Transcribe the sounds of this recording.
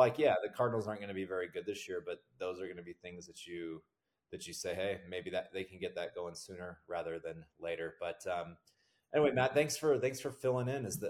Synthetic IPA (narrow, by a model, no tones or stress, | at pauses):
laɪkjæðɨkʰɑɹdⁿnl̩ˠzɑɹnɡ̥ʌnɨbivɛɹiɡʊd̪̚ðɪsjɪɹbʌt̪̚ðoʊzə˞ɡʌnɨbiθɪ̃ŋzðɨt͡ʃɨ | ðɨt͡ʃɨseɪɦeɪmeɪbiðɨðeɪkʰɨ̃nɡɛt̪̚ðɨt̚ɡ̥oʊɪ̃ŋsʉ̃nə˞ɹæðə˞ðɨ̃nleɪɾə˞b̥ʌtʌ̃m | ʔɛniweɪmædθæ̃ŋksfə˞θæ̃ŋksfə˞fɪlˠɪ̃ŋɪ̃nɨzðɨ